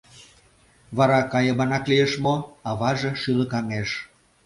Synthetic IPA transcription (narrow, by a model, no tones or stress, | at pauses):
βɑɾɑkɑjəmɑnɑklieʃmoɑβɑʒeʃyləkɑŋeʃ